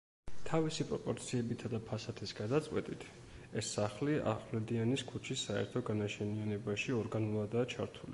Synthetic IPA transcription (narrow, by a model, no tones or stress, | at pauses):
t̪ʰavisipʼɾɔpʼɔɾt̪sʰiɛbit̪ʰad̪apʰasat̪ʰisɡad̪at̪sʼwɛ̰t̪ʼit̪ʰ | ɛsːaχliʔa̰χlɛd̪ianiskʰut͡ʃʰisːaɛ̰ɾt̪ʰɔɡanaʃʰɛnianɛbaʃiɔɾɡanulˠad̪aːt͡ʃʰaɾt̪ʰulḭ